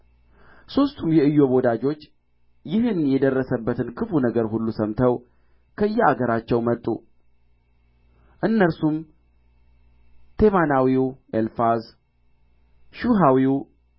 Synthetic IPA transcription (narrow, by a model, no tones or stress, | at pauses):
so̞st̪ʰumjɛɨjːo̞bo̞d̪ad͡ʒo̞t͡ʃː | jɪhɨnjɛd̪ərːəsəbːət̪ʰɨnkʰɨfunəɡəɾhulːusəmt̪ʰəw | kʰəɨjːɛaɡəɾat͡ʃːɛwmət̪ʼːṵ | ʔɨnːəɾsum | t̪ʰe̞manawiwʔelfaz | ʃuɦawiw